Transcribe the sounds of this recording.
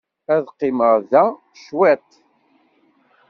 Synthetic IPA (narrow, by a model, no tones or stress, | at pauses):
æðqːɪməɾðæ | ʃwæt̪